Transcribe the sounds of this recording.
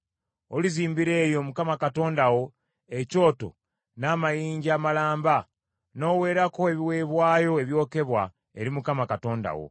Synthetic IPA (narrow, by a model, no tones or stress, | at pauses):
oliziːmbiɾe̞ːjo̞mukamakato̞ːndawo̞ | eco̞ːto̞̰ | naːmajiːɲɟiaːmalaːmba | no̞ːwe̞ːɾako̞eβiwe̞ːβwaːjo̞eβjo̞ːke̞βwa̰ | e̞ɾimukamakato̞ːnda̰wo̞̰